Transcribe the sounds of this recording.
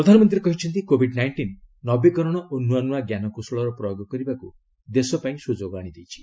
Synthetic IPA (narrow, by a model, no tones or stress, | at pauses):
pɾɔd̪ʱanɔmɔnt̪ɾiɾekɔɦit͡ʃʰɔnt̪̬ikobʱiɖnajɳʈinː | ɔbikɔɾɔɽ̃ɔʔonːuanuaɡjanɔkusɭɔɾɔpɾɔjoɡɔkɔɾibaku | d̪esɔpaĩsud͡ʒoɡaɽ̃id̪ejt͡ʃʰi̥